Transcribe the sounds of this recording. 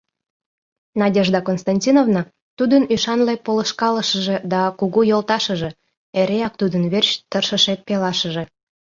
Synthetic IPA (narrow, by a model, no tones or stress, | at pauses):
nɑdʲeʒd̪ɑkonst̪ɑnʲtʲinovnɑ | t̪ud̪ənyʃɑnlepoləʃkɑləʃəʒed̪ɑkuɣujolt̪ɑʃəʒe̽ | eɾeɑk̚t̪ud̪ənβerɕt̪ərʃəʃet̪̚pelɑʃəʒe